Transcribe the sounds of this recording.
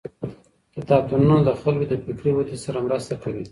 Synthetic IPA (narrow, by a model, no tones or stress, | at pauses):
d̪ət̪ɑb̚t̪ununod̪əxalkod̪əpɪkɾiwat̪isaɾamɾast̪akawi